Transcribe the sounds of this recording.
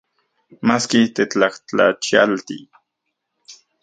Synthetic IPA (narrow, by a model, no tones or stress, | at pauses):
maskit̪et͡ɬaχt͡ɬa̰t͡ʃialt̪ḭ